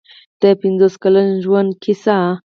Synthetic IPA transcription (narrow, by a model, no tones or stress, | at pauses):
t̪epind͡zəskələnd͡ʑuwənkʰisa